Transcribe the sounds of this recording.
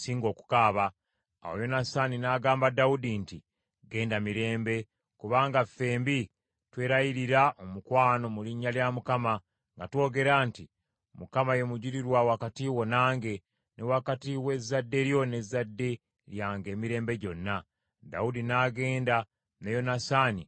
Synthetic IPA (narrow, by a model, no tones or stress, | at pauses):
siːŋɡo̞ːku̥kaːβa | a̰wojo̞nasaninaːɡaːmbadaudinti | ɡe̞ːndamiɾe̞ːmbe̞ | kuβaːŋɡafːe̞ːmbi | twe̞ːɾajiɾiɾaʔo̞mukwaːno̞muliɲːaljamukama | ŋɡatwo̞ːɡe̞ɾanti | mukamaje̞muɟiɾiɾwawakatiwo̞naːŋɡe̞ | newakatiwe̞zːadːe̞ɾjo̞ne̞zːadːe̞ | ɾjaːŋɡe̞ːmiɾe̞ːmbe̞ɟo̞nːa | da̰udinaɡe̞ːnda | nejo̞nasani